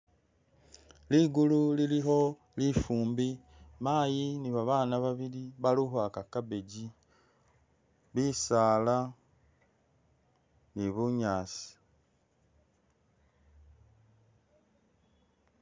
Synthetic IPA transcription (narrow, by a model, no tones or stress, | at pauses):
liɡululiliɦo̞ | lifuːmbi | maːjiniβaβaːnaβaβiliβaluɦwakakaβeɟi | βiːsaːla | niβuɲaːsi̥